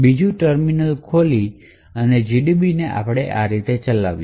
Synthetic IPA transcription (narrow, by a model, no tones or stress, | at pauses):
bid͡ʒũʈəɾminəlkʰoli | əned͡ʒiɖibineʔa̰pɽ̃eʔaɾit̪et͡ʃəla̰ʋi